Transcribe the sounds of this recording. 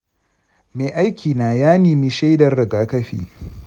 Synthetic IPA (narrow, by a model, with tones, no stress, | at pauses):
meː˨ʔa˦jkʲʰiː˨naː˨jaː˦niː˨mi˦ʃe˦jdɐ˨rːɪ˨ɡaː˦kɐ˦ɸḭː˦˨